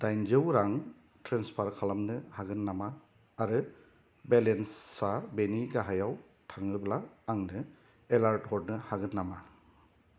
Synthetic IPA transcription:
dajnd͡ʒɯwɾaŋ | tʰɾɛnspʰaɾkʰalamnɯhaɡɯnːamaː | ɾɯ | belensːabeniɡaɦajaw | tʰaŋɾɯblaaŋnɯ | elaɾtɔd̚nɯhaɡɯnːama

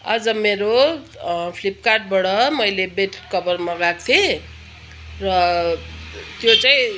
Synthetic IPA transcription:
ʌd͡zʌmeɾo | pʰlip̚karʈ̚bʌɽʌmʌjlebeʈkʌbʌrmʌɡak̚t̪ʰe | rʌ | t̪jot͡saĩ

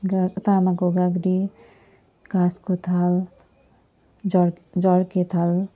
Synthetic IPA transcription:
ɡt̪amakoɡaɡɾi | kaskot̪ʰal | d͡ʒʌɽket̪ʰal

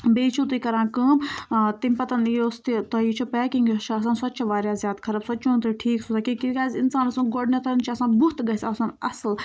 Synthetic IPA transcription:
beːt͡ʃʰut̪̬ikɐɾãːkə̃ːmt̪imʲpɐt̪ɐnjoːst̪it̪ɐit͡ʃʰupɛkiŋɡʲit͡ʃʰɐs̬aːnsɐt̪̚ːt͡ʃʰɐʋaːɾjaːzʲjaːd̪kʰɐɾɐbsɐt̪̚ːt͡ʃʰũːnt̪ɨʈʰiːksuzaːkikiɡaːzinsaːnɐsũːɡoɖnet̪ɐnt͡ʃʰiɐsaːnbuɦt̪ɡɐsɐsaːnɐsl

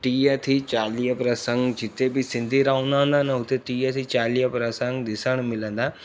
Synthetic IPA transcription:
ʈiːət̪ʰit͡ɕaːliːɦəpɾɐsə̃ŋɡd͡ʑɪt̪ebɪsɪ̃nd̪ʱiɾaːũnd̪ãnd̪anəɦʊt̪eʈiːət̪ʰit͡ɕaːliːəpɾəsə̃ŋɡd̪ɪsəɽ̃mɪlə̃nd̪aː

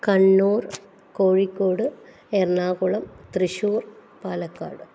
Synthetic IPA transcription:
kɐɳːuːr | koːɻikʲːoːɽɨ | ernaːɣuɭɐmt̪riɕuːr | paːlɐkːa̰ːɽɨ

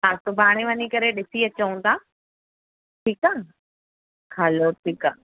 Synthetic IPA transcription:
saːst̪ʊbaːɽ̃iʋɐɲikɐɾeɗɪsiɐt͡ɕəũt̪ʰaː | ʈʰiːkaː | hɐloʈʰiːkaː

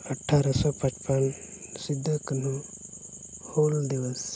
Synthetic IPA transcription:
əʈʰːaɾɐsɔpɐt͡ʃpɐnsid̪ʱːəkən̤u | hoːld̪iʋəs

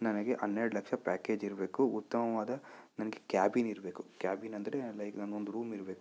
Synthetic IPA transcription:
nɐnɐɡeʔɐnːeːɽulɐkʂɐpaːke̞ːd͡ʒiɾɐbe̞ːkuut̪ːɐmɐʋaːd̪ɐnɐnɐɡekaːbiːniɾɐbe̞ːku̥kjaːbiːnɐnd̪ɐɾelɐjknɐnːond̪uɾuːmiɾɐbeːku

